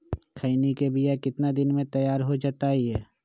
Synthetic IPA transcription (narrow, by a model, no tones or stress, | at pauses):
kʰəinikebijakɪt̪nad̪ɪnmẽt̪əjaːɾɦod͡ʒaːt̪aɦiɦɛː